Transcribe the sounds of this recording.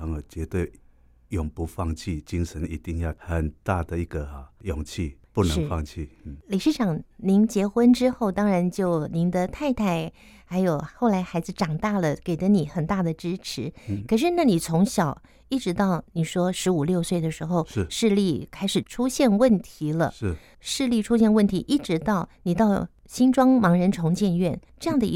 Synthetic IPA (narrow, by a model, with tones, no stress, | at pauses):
ɑ˧˥ŋ˨˩t͡ɕɥɛ˧˦t̪we˥˩ɪ | jɔ˨˩ŋpu˨˦fɑ˥˧ŋt͡ɕʰi˥˨˩t͡ɕi˦ŋʂə˨˦ni˧˦t̪i˥˧ŋjɑ˥˨ʊxə˨˩nt̪a˥˩d̪ə˨i˧˥ɡə˨˩a˨˩jɔ˨˩ŋt͡ɕʰi˥˧pu˥˩nə˧ʂ̩ŋ˥fɑ˥˧ŋt͡ɕʰi˥˩˥li˨˩ʂɻ̩˥˩ʈ͡ʂɑ˨˩˦ŋni˧˥nt͡ɕjɛ˧˥xwə˥nʈ͡ʂɻ̩˥xo˥˩ʊt̪ɑ˥ŋɻa˧˥nt͡ɕjo˥˩ʊni˧˥nd̪ə˧t̪ʰa˥˧ɪt̪ʰa˥˩ɪ | xa˧˥ɪjo˨˩ʊxo˥˩ʊla˧˥ɪxa˧˥ɪd͡zɹ̩˧ʈ͡ʂɑ˨˩ŋt̪a˥˩lə˩ke˨˩ɪd̪ə˦ni˨˩˦xə˨˩nt̪a˥˩d̪ə˩ʈ͡ʂɻ̩˥ʈ͡ʂʰɻ̩˧˥kʰə˨˩ʂ̬ɻ̩˥˧na˥˩ni˨˩t͡sʰʊ˧˥ŋɕjɑ˨˩ʊ | i˥˩ʈ͡ʂɻ̩˧˥t̪ɑ˥˩ʊni˨˩ʂwɔ˥ʂɻ̩˧˥u˨˩ljo˥˧ʊswe˥˩ɪd̪ə˩ʂɻ̩˧˥xo˥˧ʊ˥˧ʂɻ̩˥˧li˥˩kʰa˥ɪʂɻ̩˨˩ʈ͡ʂʰu˥ɕjɛ˥˧nwə˥˩nt̪ʰi˧˥lə̰˧˥˩ | ʂɻ̩˥˧li˥˩ʈ͡ʂʰu˥ɕjɛ˥˧nwə˥˩nt̪ʰi˧˥ʔi˥˩ʈ͡ʂɻ̩˧˥t̪ɑ˥˩ʊni˨˩t̪ɑ˥˩ʊ | ɕi˥nʈ͡ʂwɑ˥ŋmɑ˧˥ŋɻə˧˥nʈ͡ʂʰʊ˧˥ŋt͡ɕjɛ˥˧nɥɛ˥˩nʈ͡ʂɤ˥˧jɑ˥˩ŋd̪ə˩˧˥